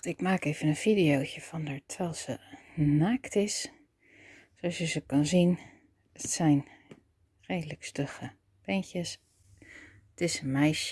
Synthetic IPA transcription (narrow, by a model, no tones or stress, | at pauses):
ɪkmaːkeːv̥ənənfidijoːcəfɔndəɹtʰʋɛlˠsənaːktʰɪs | soɔsjəsəkɑnzin | ətsɛjn | reːdələkstøxə | pɛnçəs | ətɪsənmɛjsjə